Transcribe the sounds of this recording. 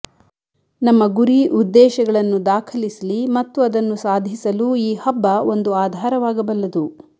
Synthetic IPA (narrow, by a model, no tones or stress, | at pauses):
nɐmːɐɡuɾiʔud̪ːɛːʃɐɡɐɭɐnːud̪aːkʰɐlisɐlimɐt̪ːuɐd̪ɐnːusaːd̪ʱisɐluiːhɐbːɐo̞nd̪uaːd̪ʱaːɾɐʋaːɡɐbɐlːɐd̪u